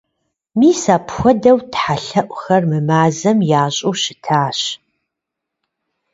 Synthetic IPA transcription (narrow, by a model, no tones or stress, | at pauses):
miːsaːpxʷɔdɐwtħaɬɐʔʷxɐrmɨmaːzɐmjaːɕʼuːɕɪtʰaːɕ